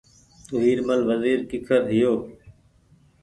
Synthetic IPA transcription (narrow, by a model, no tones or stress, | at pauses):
t̪ʊɦiːɾməlʋəziːɾkɪkʰəɾɦɪjoː